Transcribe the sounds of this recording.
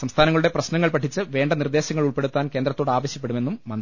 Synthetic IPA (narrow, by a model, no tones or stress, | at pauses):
sɐmst̪ʰaːnɐŋɐɭuɽe̞prɐɕnɐŋːɐɭpɐʈʰːit͡ɕːɨʋe̞ːɳɖɐnird̪e̞ːɕɐŋːɐɭuɭpe̞ɽut̪ːaːnke̞ːnd̪ɾɐt̪ːo̞ːɽaːʋɐɕjɐpːe̞ɽumenːumːɐn